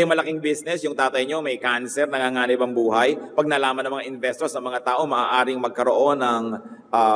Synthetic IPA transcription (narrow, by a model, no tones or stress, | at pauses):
jʊŋmɐlɐkɪŋbisnɛsjʊŋt̪aːt̪ɐjɲo̞mɐjkansɛɾnɐŋaŋaːnɪbɐŋbuːɦɐjpɐɡ̚nɐlaːmɐnɐŋmɐŋaʔɪnvɛst̪oɾsɐŋmɐŋat̪aːʔo̞mɐʔaːʔaːɾɪŋmɐɡ̚kɐɾoʔo̞nɐŋʔa